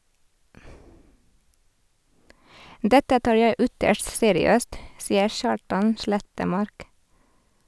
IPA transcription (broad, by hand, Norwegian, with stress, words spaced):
ˈdɛtə ˈtɑːɾ ˈjæɪ ˈʏtəʃt ˈseːɾɪˌøːst ˈsiːəɾ ˈʃɑːʈɑn ˈʃɭɛtəˌmɑɾk